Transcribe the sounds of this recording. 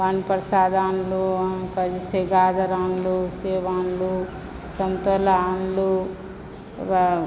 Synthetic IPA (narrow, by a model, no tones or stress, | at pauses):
ʋanpɾɐsaːd̪aːnlukɐd͡ʒseɡaːd̪ɐɾaːnluseːʋaːnlu | sɐnt̪olaːnlu